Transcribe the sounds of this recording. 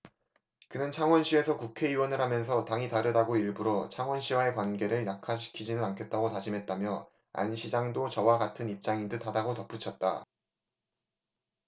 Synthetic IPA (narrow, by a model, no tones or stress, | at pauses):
kɯnɯnt͡ɕʰaŋwʌnɕʰie̞sʰʌkukʰe̞iwʌnɯɭɦamjʌns̬ʰʌtaŋitaɾɯdaɡoiɭbuɾot͡ɕʰaŋwʌnɕʰiwae̞kwanɡe̞ɾɯɭnakʰaɕ̬ʰi̥kʰid͡ʑinɯnankʰet̚t͈aɡotad͡ʑimɦe̞t̚t͈amjʌ | a̰nɕʰid͡ʑaŋdot͡ɕʌwaɡatʰɯnip̚t͡ɕ͈aŋindɯtʰadaɡotʌp͈ut͡ɕʰʌt̚t͈a̰